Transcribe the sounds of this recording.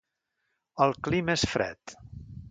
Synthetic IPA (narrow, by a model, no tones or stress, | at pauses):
əlˠklimesfɾɛ̰t̪